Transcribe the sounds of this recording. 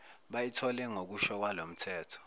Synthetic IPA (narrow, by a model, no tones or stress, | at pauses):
ɓajitʰɔlɛŋok̬uʃɔk̬walom̩tʰɛːtʰɔ̥